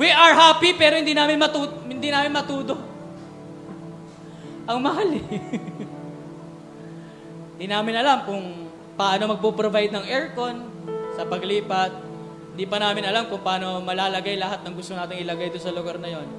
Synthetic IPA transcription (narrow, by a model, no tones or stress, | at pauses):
wiʔɐɹɦaːpipɛːɾohɪnd̪iːnaːmɪnmɐt̪uːhɪnd̪inaːmɪnmɐt̪uːd̪o̞ | ʔɐŋmɐhal | nd̪iːnaːmɪnɐlamkʊŋ | paːʔɐno̞mɐɡ̚pupɾovajd̪̚nɐŋɛɹkon | sɐpɐɡliːpɐt̪̚ | hɪnd̪iːpɐnaːmɪnʔɐlamkʊŋpaːno̞mɐlaːlɐɡajlɐhat̪̚nɐŋɡʊst̪onaːt̪ɪŋɪlɐɡajd̪ʊnsɐlʊɡaɾnɐjo̞n